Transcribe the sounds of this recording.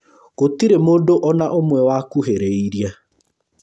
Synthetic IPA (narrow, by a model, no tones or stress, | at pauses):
kotiɾemoːdoʔɔnaʔomwɛwakuɦeɾeiɾia